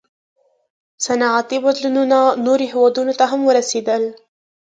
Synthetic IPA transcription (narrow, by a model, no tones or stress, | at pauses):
sanaʕat̪ibazlununanoɾiɦɪwɑd̪unot̪aɦamwəɾased̪al